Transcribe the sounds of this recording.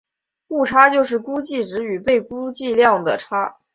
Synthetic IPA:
ku˥˩ʈ͡ʂʰa˥t͡ɕjo˥˧ʊʂɻ̩˥˩ku˥t͡ɕi˥˩ʈ͡ʂɻ̩˧˥y˨˩pe˥˩ɪku˥t͡ɕi˥˧ljɑ˥˩ŋd̪ə̰˩ʈ͡ʂʰa˥

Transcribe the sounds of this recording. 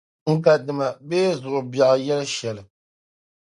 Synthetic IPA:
ŋ̩˦ka˨dɨ˨ma˨beː˦zʊ˨ʔʊ˨ba˨ʔɨ˨jɛ˦lɨ˦ʃɛ˨lɨ˨

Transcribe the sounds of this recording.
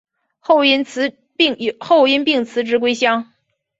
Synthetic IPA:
xo˥˩ʊi˥˩nt͡sʰ | ŋ˧xo˥˩˧ʊi˥npi˥˩ŋt͡sʰɹ̩˧˥ʈ͡ʂɻ̩˧˥kwe˥ɪɕjɑ˥ŋ

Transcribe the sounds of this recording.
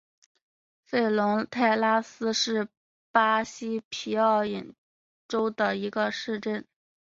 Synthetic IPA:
fe˥˩ɪlʊ˧˥ŋt̪ʰa˥˩ɪla˥sɹ̩˥ʂɻ̩˥˩ | pa˥ɕi˥pʰi˧˥ɑ˥˩ʊji˨˩n | ʈ͡ʂo˥ʊd̪ə˨i˧˥ɡə˧ʂɻ̩˥˧ʈ͡ʂə˥˩n

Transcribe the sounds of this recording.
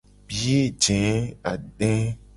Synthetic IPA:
bi˦e˦d͡ʒɛ̃˨˦a̰˨ɖɛ̃˦

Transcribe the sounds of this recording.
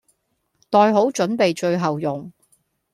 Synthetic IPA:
t̪ɔː˨˧jɦo˨˥wt͡ʃɵ˨˥npe˨jt͡ʃɵ˧ɥɦɐ˨wjʊ˨ŋ

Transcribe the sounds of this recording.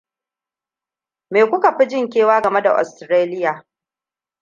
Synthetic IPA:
me˨kʷʊ˦ka˨ɸɪ˦d͡ʒɪ˦˨ŋk̬ʲeː˦˨waː˦ɡɐ˨me˦da̰˨ʔɔ̰˨stɾeː˦lɪ˦jaː˨

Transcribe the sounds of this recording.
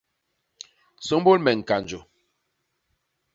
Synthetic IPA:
so˨˦mbo˦lmɛ˨ŋ̩˨ka˨n˨d͡ʒo˨

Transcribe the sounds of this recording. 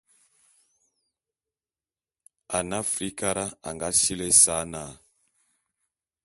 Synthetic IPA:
a˨na˦fɾi˦ka˦ɾa˦a̰˨ŋɡa˦si˦lɛ˦sa˨˦na˨

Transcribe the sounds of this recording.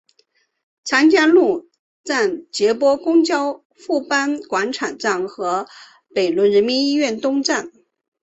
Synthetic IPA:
t͡sʰa˧˥nt͡ɕja˥˧nlu˥˧ | t͡sa˥˩nt͡ɕjɛ˧˥pwɔ˥kʊ˥ŋt͡ɕjɑ˥ʊ | fu˥˩pa˥nkwa˧˥nʈ͡ʂʰa˨˩nt͡sa˥˩ŋxɤ˧˥ | pe˨˩ɪlwə˧˥nɻə˧˥nmi˧˥ni˥ɥɛ˥˩nt̪ʊ˥ŋʈ͡ʂa˥˩n

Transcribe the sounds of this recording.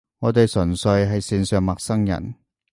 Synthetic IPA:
ŋɔː˨˧t̪e˨jsɵ˨˩nsɵ˧ɥɦɐ˨jsiː˨˧nsœː˨˧ŋmɐ˨k̚sɐ˥ŋjɐ̰˨˩n

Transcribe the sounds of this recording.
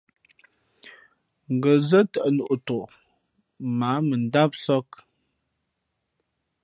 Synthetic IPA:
ŋ̩˨ɡə˨zə˦tə˨ʔə˨nu˨ʔto˨ʔ | maː˨˦mə˨n˨˦da˦p̚sɔ˦k

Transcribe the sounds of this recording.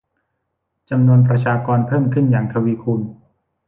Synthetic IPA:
t͡ɕa˧mnu˧ənpɾa˧t͡ɕʰaː˧kɔː˧npʰɤː˥˩mkʰɯ˥˩njaː˨˩ŋt̪ʰa˧wiː˧kʰuː˧n

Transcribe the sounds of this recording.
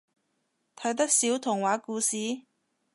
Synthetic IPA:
t̪ʰɐ˨˥ɥt̪ɐ˥k̚siː˨˥wt̪ʰʊ˨˩ŋwaː˨˥kuː˧siː˨˥

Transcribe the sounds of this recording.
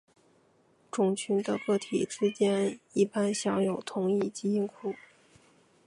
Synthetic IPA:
ʈ͡ʂʊ˨˩ŋt͡ɕʰy˧˥nd̪ə˧kɤ˥˩t̪ʰḭ˨˩ʈ͡ʂɻ̩˥t͡ɕjɛ˥ni˥˩pa˥nɕjɑ˧˥ŋjo˨˩ʊt̪ʰʊ˧˥ŋi˥˩t͡ɕi˥i˥ŋkʰu˥˩

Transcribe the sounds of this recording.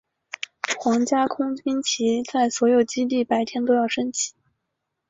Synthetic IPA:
xwɑ˧˥ŋt͡ɕja˥kʰʊ˥ŋt͡ɕi˥nt͡ɕʰi˧˥t͡sa˥˩ɪswɔ˧˥jo˨˩ʊt͡ɕi˥t̪i˥˩pa˧˥ɪt̪ʰjɛ˥nt̪o˥ʊjɑ˥˩ʊʂə˥nt͡ɕʰi̥˨˧˩

